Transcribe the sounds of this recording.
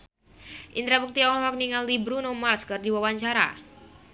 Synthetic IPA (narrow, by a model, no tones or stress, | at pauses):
ʔint̪ɾapuk̚t̪iɔlɔɦak̚niŋalːibɾunɔmarskɨrdiwawaɲt͡ʃaɾa̰